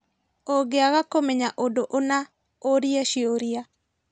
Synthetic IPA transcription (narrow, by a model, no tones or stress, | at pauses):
oɡeaɣakomɛɲaʔodoʔona | oɾjɛʃioɾia